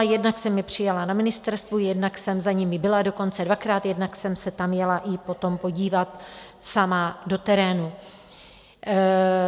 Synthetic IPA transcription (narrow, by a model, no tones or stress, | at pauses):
jɛdnaksɛmːɪpr̝̥ɪjalanamɪnɪst̪ɛɾst̪vujɛdnaksɛmzaɲɪmɪbɪlado̞ko̞nt͡sɛdvakɾaːt̪jɛdnaksɛmsɛt̪amjɛlaʔɪpo̞t̪o̞mpo̞ɟiːvat̪ | samado̞t̪ɛɾɛːnu